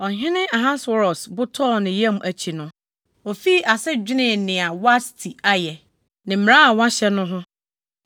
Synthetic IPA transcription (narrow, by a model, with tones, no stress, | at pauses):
ɔ˨ɦɪ̃˦nɪ̃˦a˨ɦã˦sɔ˦ɾɔ˨sbʊ˦tʰɔ˦˨nɪ̃˨jã˦m˨ʔæ˨t͡ɕʰi˨nʊ̃˦ | o˨fi˦ʔa˨sɛ˦d͡ʑᶣɪ˦nɪ̃˦˨nɪ̃˨a˨wa˦stʰi˨a˦jɛ˨ | nɪ̃˨m̩̃˨ã˦a˨wã˦ɕɛ˦nʊ̃˦ɦʊ̃˦